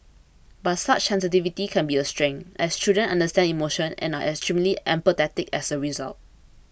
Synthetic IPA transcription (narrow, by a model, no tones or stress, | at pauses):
bat̚sat͡ʃsɛ̃ns̬it̬ivitikʰɛ̃nbiəstɹɛ̃ŋɛstudə̃nã̰ndəstɛ̃ndimoʃə̃nɛ̰̃naʔɛkstɹĩmliʔɛ̃mpət̪ɛtɪkɛsəɹiza̰lt̚